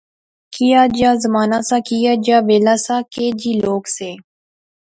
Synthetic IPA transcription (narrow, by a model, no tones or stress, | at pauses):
kijaːd͡ʒaːzəmaːnaːsaːkijaːd͡ʒaːʋeːlaːsaːkeːd͡ʒiːloːkseː